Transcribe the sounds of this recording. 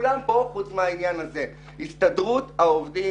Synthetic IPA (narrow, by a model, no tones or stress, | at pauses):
lampo̞χut͡smeainjanaze̞ | hist̪adʁut̪aovd̪i